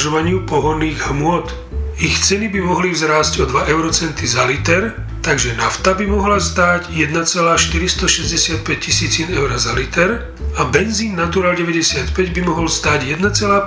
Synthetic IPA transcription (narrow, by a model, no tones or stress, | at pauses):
ʒɔʋaɲɪupɔɦɔnːiːɣɦmʊɔt̪ | ixt͡sɛnibimɔɦlivzɾaːsɟɔd̪ʋaʔɛʊɾɔt͡sɛnt̪izalit̪ɛɾ | t̪aɡʒɛnaft̪abimɔɦlast̪aːɟjɛd̪nat͡sɛlaːʃt̪iɾist̪ɔʃɛzɟɛsɪat̪̚pɛc̚cisiːt͡sinɛʊɾazalit̪ɛɾ | abɛnziːnːat̪uɾaːlɟɛʋɛɟɛsɪat̪pɛɟbimɔɦɔlst̪aːɟjɛd̪nat͡sɛlaː